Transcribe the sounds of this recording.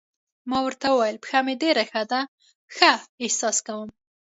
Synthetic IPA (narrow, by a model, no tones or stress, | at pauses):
mɑwəɾt̪awəwajəlpxameɖeɾaxad̪a | xaɪhsɑskawəm